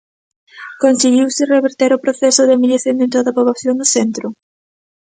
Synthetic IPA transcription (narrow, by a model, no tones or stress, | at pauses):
konsiɣiwsɪreβeɾt̪eɾʊpɾoθɛsʊðɪamiʎeθend̪ent̪oðapoβlaθjoŋnʊθent̪ɾʊ